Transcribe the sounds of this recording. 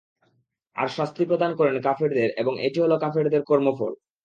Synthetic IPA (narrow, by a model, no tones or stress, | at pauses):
a̰ɾʃast̪ipɾod̪ankɔɾenkafeɾd̪eɾeboŋʔḛʈiɦolokafeɾd̪eɾkɔɾmofo̰l